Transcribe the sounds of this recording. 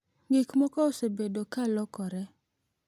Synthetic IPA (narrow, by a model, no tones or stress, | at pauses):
ŋɡɪkmɔkɔosebedokalɔkɔɾɛ